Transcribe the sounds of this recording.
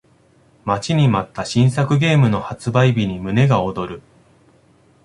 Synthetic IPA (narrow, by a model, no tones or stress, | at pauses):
mat͡ɕiɲ̟imat̪ːaɕĩɰ̃sakɯ̟ɡe̞ːmɯ̟no̞hat͡sɨbaibʲiɲ̟imɯ̟ne̞ɡao̞d̪o̞ɾɯ̟